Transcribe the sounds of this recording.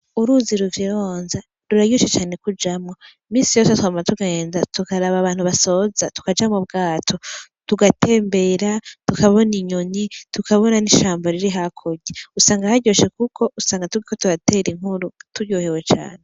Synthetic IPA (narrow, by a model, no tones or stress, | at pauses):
uɾuːziɾuɡiɾoːnza | ɾuɾaɟoʃet͡ʃaːne̞kud͡ʒamŋo̞imiːsijo̞ːsetuhamaatuɡe̞ːnzatukaɾaβaβaːn̥huβaso̞ːzatu̥kad͡ʒamobɡaːtʰo̞tuɡatʰe̞ːmbe̞ɾatukaβo̞niɲoɲitukaβo̞naniʃaːmboɾiɾiɦakʰoɟeusaːŋɡahaɟoːʃe̞kukʰo̞ʔusaːŋɡatuɡikotuɾate̞ɾiŋ̥huɾutuɟoːhewe̞t͡ʃa̰ːne̞